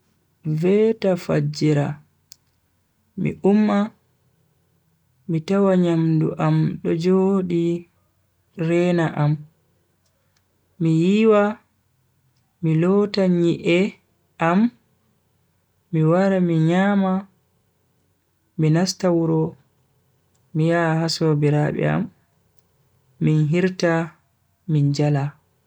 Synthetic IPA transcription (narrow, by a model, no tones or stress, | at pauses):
vɛtafad͡ʒiɾa | mḭʔumːa | mitawaɲamdṵʔamɗɔd͡ʒoɗi | ɾɛnaʔam | mijiwa | milɔtaɲiʔɛ | ʔam | iwaɾamiɲaːma | minastawuɾɔ | mijahasobiɾaɓɛ̰a̰m | inɦiɾta | mind͡ʒala